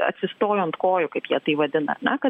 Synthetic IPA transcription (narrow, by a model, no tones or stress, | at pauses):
ɐ̰t̪ʲsʲɪst̪oːjoːnt̪koːjʊkɐɪpjiɛt̪ɐɪʋɐd̪ʲɪnɐ̰nʲɛkɐ